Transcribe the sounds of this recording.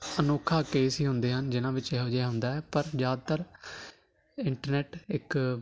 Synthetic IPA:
ənoːkʰaːkeːsɦiːɦʊnd̪eːɦənd͡ʒɪnãːʋɪt͡ʃɛːɦoːd͡ʒɛːɦʊ̃nd̪aːɛːpəɾzjaːd̪̚t̪əɾ | ɪɳʈəɾnɛːʈɪk

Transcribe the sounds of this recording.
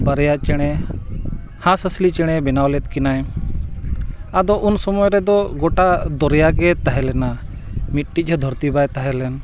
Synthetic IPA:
bəɾjat͡ʃɛɽ̃ɛ | hãsəslit͡ʃɛɽ̃ɛbɛnawlɛt̪̚ˀkinaj | ad̪ɔʔunsɔmɔjɾɛd̪ɔɡɔʈad̪ɔɾjaɡɛt̪aɦɛlɛna | mit̪̚ʈic̚ˀɦəd̪ʱɔɾt̪ibajt̪aɦɛlɛn

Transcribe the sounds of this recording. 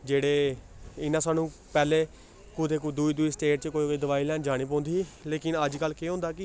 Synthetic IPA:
d͡ʒeːɽeː | ɪnãːsaːnũːpɛːleː | kʊt̪eːk̬ud̪uiːd̪uiːsʈeːʈ̚t͡ʃəkoːikoid̪əʋaːiːlɛːnd͡ʒaːɽ̃iːp̬ɔ̃ːnd̪iːleːkɪnəd͡ʒkəlːkeːɦʊ̃nd̪aːkɪ

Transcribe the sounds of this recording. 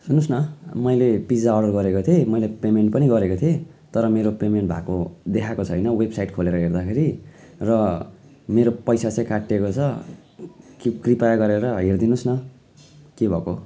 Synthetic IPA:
sunusnʌmʌjlepid͡zaoɖʌrɡʌɾekot̪ʰemʌjlepemeɳʈ̚pʌniɡʌɾekot̪ʰijet̪ʌɾʌmeɾopemeɳʈbʱa̰kod̪ekʰakot͡sʰʌɦʌjnʌwebsajʈkʰoleɾʌɦerd̪akʰeɾi | rʌ | meɾopʌjsat͡sãj̃kaʈːekot͡sʰʌ | kikripajɡʌɾeɾʌɦerd̪inusnʌ | kebʱʌko

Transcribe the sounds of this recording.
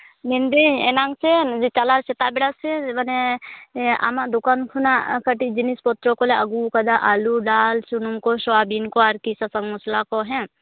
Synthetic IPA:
nind̪ienaŋsed͡ʒit͡ʃalaɾsɛt̪abɛɽasɛmane | a̰maʔd̪ukankʰunakəʈid͡ʒinispɔt̪ɾɔkɔleəɡukad̪aʔaluɖalsunumkɔsɔwabinkɔaɾkisasəŋmɔslakɔɦɛ̃

